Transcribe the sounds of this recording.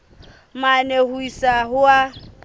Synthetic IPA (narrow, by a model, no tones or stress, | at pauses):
manehuisaɦʊa